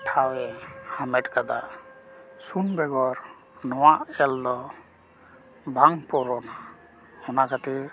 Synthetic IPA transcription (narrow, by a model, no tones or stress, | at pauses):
ʈʰawɛhamɛʈkad̪aʔ | sunbɛɡɔɾ | nɔwaʔɛld̪ɔ | bʱaŋpɔɾɔna | hɔnakat̪ɛ